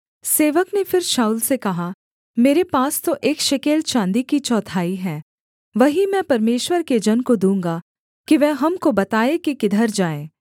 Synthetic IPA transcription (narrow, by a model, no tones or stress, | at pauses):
seːʋəknefɪɾʃaːuːlsekɐɦa | meːɾepaːst̪oʔeːkʃɪkeːlt͡ʃãːnd̪ikit͡ʃɔːt̪ʰaːiɦɛː | ʋɐɦimɛ̃pɐɾmeːʃwəɾked͡ʒɐnkod̪ũːŋ̆ɡa | kiʋɛɦɐmkobɐt̪aːekikɪd̪ʱəɾd͡ʒaːẽː